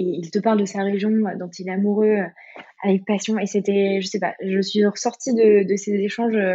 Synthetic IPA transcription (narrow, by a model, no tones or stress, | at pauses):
eilt̪əpaʁld̪əsaʁeʒjɔ̃d̪ɔ̃t̪yilɛamuʁøø | avɛk̚pasjɔ̃eset̪ɛʒəsepa̰ʒəsɥiʁəsɔʁt̪id̪əd̪əsezeʃɑ̃ʒø